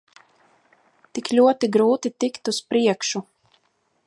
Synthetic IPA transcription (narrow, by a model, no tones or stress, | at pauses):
t̪iklʲuɔt̪iɡɾuːt̪it̪ikt̪uspɾiɛkʃu